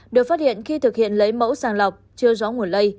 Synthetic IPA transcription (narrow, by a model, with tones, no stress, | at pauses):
ɗɨ˨˩ək̚faː˦˥t̚hḭ˧˨ənxi˧t̪ɨ˨˩k̚hḭ˧˨ənlə˨˦jmə̰˧˥wsaː˧˩nlə˨˩wk͡p̚t͡ɕɨ˧əzɔ˨˦ŋu˨˩ənlə˧j